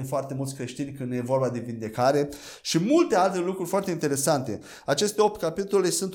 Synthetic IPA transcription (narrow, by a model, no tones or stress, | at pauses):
mfoart̪e̞mult̪sʲkɾe̞ʃt̪inʲkɨnd̪je̞vo̞rbad̪e̞vind̪e̞kaɾe̞ | ʃimult̪e̞alt̪e̞lukɾurʲfoart̪e̞int̪e̞ɾe̞sant̪e̞ | at͡ʃe̞st̪e̞o̞p̚t̪kapit̪o̞le̞sunt̪